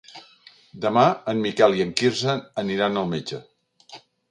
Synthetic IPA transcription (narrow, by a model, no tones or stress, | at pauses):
d̪əmaənmikɛlˠiəŋkiɾsənəniɾanəlˠmed͡ʒə